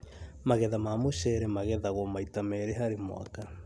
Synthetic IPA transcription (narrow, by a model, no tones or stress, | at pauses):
maɣɛðamamoʃɛɾɛmaɣɛðaɣwɔmaitamɛɾeɦaɾemo̰a̰ka